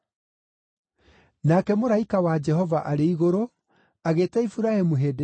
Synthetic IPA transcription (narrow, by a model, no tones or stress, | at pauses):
naːkɛmoɾaikawad͡ʒɛɦɔvaʔaɾeiɣoɾo | aɣetɛifuɾaemuɦeːde